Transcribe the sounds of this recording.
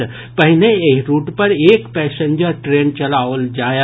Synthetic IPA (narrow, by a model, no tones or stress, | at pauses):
pɐɦɪneeɦɾuːʈpɐɾeːkpɛːsẽnd͡ʒəɾʈɾeːnt͡ʃɐlaːʋəld͡ʒaːj